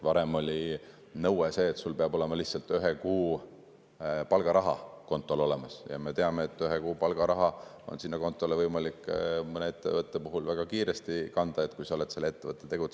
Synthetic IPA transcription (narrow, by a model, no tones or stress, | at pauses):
vɑɾe̞mo̞lʲi | nɤwese̞ːt̪sulpeɑb̥o̞lemɑliçtsɑlt̪ˑyɦekuː | pɑlɡ̥ɑɾɑɦɑ̰ko̞nt̪ːˑo̞lo̞le̞mɑsjɑ̰me̞t̪e̞ɑmeːt̪ːˑyɦekuːpɑlɡ̥ɑɾɑɦɑo̞̰nsinːɑko̞nt̪ːˑo̞levɤjmɑlikːˑmɤnee̞t̪ːe̞vɤt̪ˑːepuɦulvæɡ̥ɑkiːɾe̞st̪ikɑnd̪̥ɑet̪kujsɑole̞t̪se̞lːeet̪ːe̞vɤt̪ːˑe̞t̪e̞ɡ̥ut̪